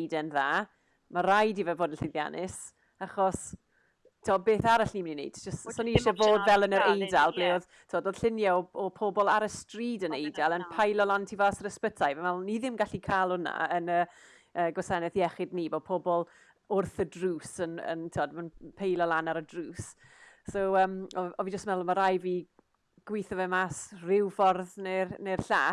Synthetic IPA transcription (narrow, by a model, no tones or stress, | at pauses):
jdɛnðaː | maɾajdivɛvoːdənɬɪnðja̰nʔɪs | aχɔs | tʰiɔbeːθaɾaɬniːmɪninḛjd̥d͡ʒəstsɔniɪʃɔvoːdvɛlˠənəɾejdalˠbleːɔð | tʰiɔdoːd̥ɬɪnjaɔɔpʰɔbɔlˠaɾəstriːdənejdalˠənpʰajlˠɔlˠantʰivasəɾəspətʰajvɛmalˠniðɪmɡaɬikʰaːlˠʊna̰ənəː | əːɡwɔsanɛθjɛχɪdniːbɔpʰɔbɔlˠ | ʊrθədruːsənə̰ntʰiwɔdmanpʰejlˠɔlˠanaɾədruːs | soəːmɔɔvid͡ʒəstmɛlˠɔmaɾajvi | ɡ̥wɪːθɔvɛmasrɪwfɔrðnernerɬaː